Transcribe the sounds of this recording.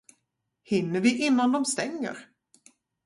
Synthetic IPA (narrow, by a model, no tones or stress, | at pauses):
hɪnːəɾvɪʔɪnːand̪ɔmst̪ɛŋːə̰ɾ